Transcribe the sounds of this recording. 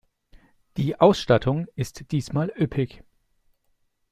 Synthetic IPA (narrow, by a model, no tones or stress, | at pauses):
d̥iːʔaʊsʃtatʰʊŋɪstd̥iːsmaːlʔʏpʰɪç